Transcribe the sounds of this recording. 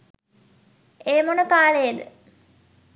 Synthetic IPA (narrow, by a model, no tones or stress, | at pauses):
eːmonəkaːlejed̪ə̰